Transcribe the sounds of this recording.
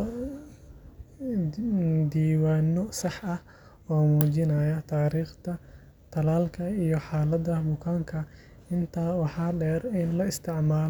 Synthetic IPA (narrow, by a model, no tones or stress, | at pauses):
d̪iːwaːnːɔsɑħɐh | ɔːmuːt͡ʃɪnɐjɐt̪ʰaːɾiːχt̪ʰɐ | t̪ʰɐlaːlkʰɐijɔħaːlɐd̪ɐbʊkʰaːŋkʰɐ | ɪnt̪ʰaːwɑħɑːɖɛːrɪnlɐɪst̪ʰɪʕmaːl